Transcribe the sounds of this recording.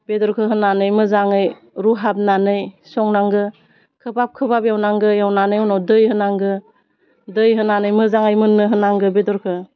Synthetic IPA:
bedɔɾkʰɯɦɯnanɯjmɯzaŋɯj | ɾuɦap̚nanɯjsɔŋnaŋɡɯ | kʰɯbap̚kʰɯbabjawnaŋɡɯjawnanɯjɔwnawdɯjhɯnaŋɡɯ | dɯjɦɯnanɯjmɯzaŋɯjmɯnːɯɦɯnaŋɡɯbedɔɾkʰɯ

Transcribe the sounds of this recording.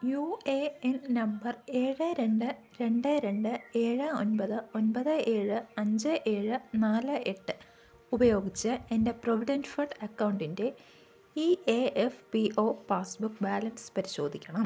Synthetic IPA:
jueennɐmbɐre̞ːɻɨɾe̞ɳɖɨ | ɾe̞ɳɖɨɾe̞ɳɖɨe̞ːɻɨo̞nbɐðɨonbɐðɨe̞ːɻɨɐɲd͡ʑɨʔe̞ːɻɨnaːlɨe̞ʈːɨ | ubɐjo̞ːɡit͡ɕːɨe̞nde̞proʋiɖɐnfɐʈɐkːɐwɳɖinde̞ | ieefpiʔoːpaːsbukːbaːlɐnspɐɾiɕo̞ːd̪ʱikʲːɐɳɐm

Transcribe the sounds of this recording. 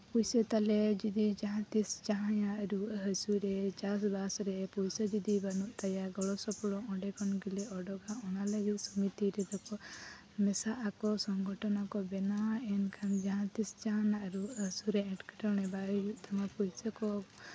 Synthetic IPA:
pujsət̪alɛd͡ʒid̪id͡ʒaɦãt̪ist͡ʃaɦãjaʔɾuɦəsuɾɛt͡ʃas̬basɾɛpujsad͡ʒid̪ibənuʔt̪ajaɡɔɭɔsɔpɽɔʔɔ̃ɖɛkɔnɡilɛɔɖɔɡaɔnalajuʔsumit̪iɾɛd̪ɔkɔʔ | mɛsaʔakɔsɔŋɡʱɔʈɔnakɔbɛnaɛnkʰand͡ʒaɦãt̪ist͡ʃaɦanaʔɾuəsuɾɛɛ̃ʈkɛ̥ʈɔɽ̃ɛbajuʔt̪ɔmapujsakɔ

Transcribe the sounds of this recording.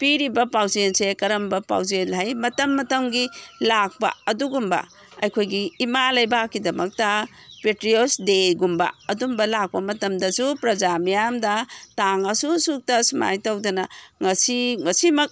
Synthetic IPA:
piɾibɐpawzensekɐɾɐmbɐpa̰wzenhajmɐtɐmːɐtɐŋɡilak̚pɐ̰ɐduɡumbɐ̰ | ɐjkʰojɡiːmalɐjbakːidɐmɐk̚tɐ | petɾiosdeɡumbɐ̰ɐdumbɐlak̚pɐmɐtɐmdɐsupɾɐzamijamdɐtaŋasusuk̚tɐsuma̰jtawdɐnɐŋɐsiŋɐsimɐk̚

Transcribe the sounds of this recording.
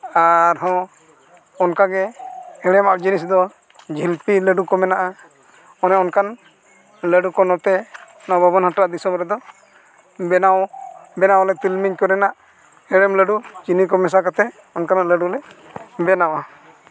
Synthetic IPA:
aɾɦɔ̃ | ɔnkaɡɛɛɽ̃ɛmaʔd͡ʒinisd̪ɔ | d͡ʒʱilpiləɖukɔmɛnaʔa | ɔnɛɔnkan | ləɖukɔnɔt̪ɛ | nabʱɔbɔnɦaʈɾaʔd̪isɔmɾɛd̪ɔ | bɛnawbɛnawlɛt̪ilmiɲkɔnɛnaʔ | ɛɽɛmləɖut͡ʃinikɔmɛs̬akɔt̪ɛ | ɔnkanaʔləɖulɛbɛnawa

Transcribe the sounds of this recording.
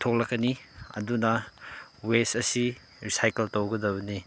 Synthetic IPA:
tʰok̚lɐkːɐniɐ̰dunɐ | wesɐsi | ɾisajkeltowɡɐdɐβɐni

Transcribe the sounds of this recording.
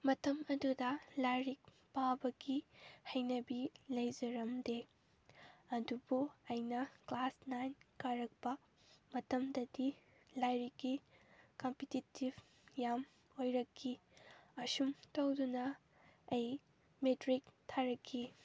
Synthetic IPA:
mɐtɐmɐdudɐlajɾik̚ | pawbɐɡihɐjnɐbilɐjzɐɾɐmde | ɐdubuɐjnɐklasnajnkaɾɐk̚pɐ | mɐtɐmdɐdi | lajɾikːikompititibʱ | jam | ojɾɐkʰːiɐsumtɐwdunɐ | ɐj | metɾiktʰaɾɐkʰːi

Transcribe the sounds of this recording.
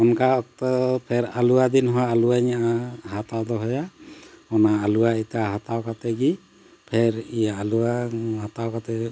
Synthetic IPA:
ɔnkaɔk̚t̪ɔpʰɛɾaluad̪inɦɔwaluwaɲaɦat̪awd̪ɔɦɔjaɔnaːluwait̪aɦat̪awkat̪ɛɡi | pʰɛɾijaːluwaɦat̪awkat̪ɛ

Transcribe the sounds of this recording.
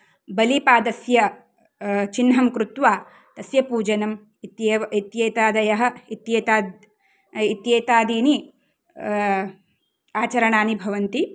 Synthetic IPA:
bɐlipaːd̪ɐsjɐ | t͡ʃinɦɐmkɾut̪ʋaː | t̪ɐsjɐpuːd͡ʒɐnɐm | it̪jit̪jeːt̪aːd̪ɐjɐɦɐ̆it̪jeːt̪aː | it̪jeːt̪aːd̪iːni | aːt͡ʃɐɾɐɳaːnibʱɐʋɐnt̪i

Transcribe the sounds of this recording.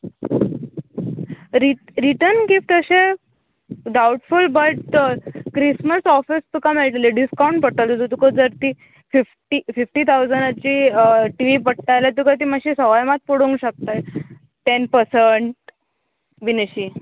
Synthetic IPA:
ɾiɾiʈəɾnkift̪əɕe | ɖawuʈfulbəʈkɾisməsɔfist̪ukamelʈleɖiskawũɳʈpəʈalot̪ut̪ukod͡zəɾt̪iː | fifʈiːfifʈiːt̪ʰawd͡zəɳɖt͡ɕiːʈiʋipəɽʈajlat̪̬ukat̪̬iːmaɕisəʋajmat̪̚puɽũŋɡɕək̚t̪aj | ʈenpəɾsəɳʈ | binəɕiː

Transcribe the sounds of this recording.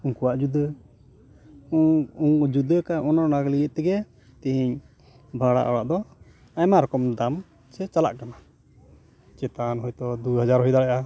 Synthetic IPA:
uŋkuwaʔd͡ʒud̪ə | ud͡ʒud̪əkaʔɔnɔnaɡlijəʔt̪ɛɡɛ | t̪iɦiɲ | bʱaɽa̰ʔɔwa̰ʔd̪ɔ | ajmaɾɔkɔmd̪am | t͡ʃɛt͡ʃala̰ʔkana | t͡ʃɛt̪anɦɔjt̪ɔd̪uɦad͡ʒaɾɦɔjd̪aɽɛjʔa

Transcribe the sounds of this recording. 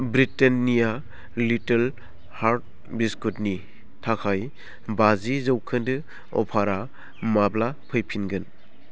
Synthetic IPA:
bɾitenːija | litel | haɾt̚ | biskutni | tʰakʰaj | bazizɯwkʰɯndɯ | ɔ̰pʰaɾa | mablapʰɯjpʰinɡɯn

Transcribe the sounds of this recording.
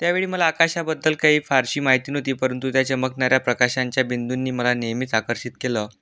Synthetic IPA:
t̪jaʋeɭiːməlaːkaɕabəd̪ːəlkaɦiːfaɾɕiːmaɦit̪iːnɦot̪iːpəɾənt̪ut̪jat͡ɕəməknaɾjapɾəkaɕaɲt͡ɕjabind̪unːiːməlanejmit̪akəɾɕit̪kelə

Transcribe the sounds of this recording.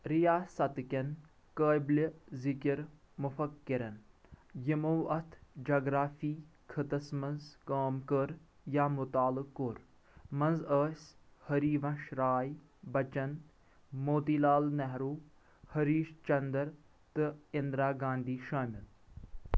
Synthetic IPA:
ɾijaːsɐt̪kɐn | kəːjblʲizɪkɪɾ | mʊfɐkːɪɾɐn | jimuwɐt̪ʰd͡ʒaːɡɾaːfiː | kʰət̪ɐsmɐnzkaːmkəɾ | jaːmʊt̪aːlɨkːoɾ | mɐ̃nzəːsʲhɐɾiːʋɐ̃ʃɾaːj | bɐt͡ʃɐn | moːt̪iːlaːlnɛɦɾuː | hɐɾiːʃt͡ʃɐnd̪ɐɾ | t̪ɨɪnd̪ɾaːɡãːnd̪iːʃaːmɪl

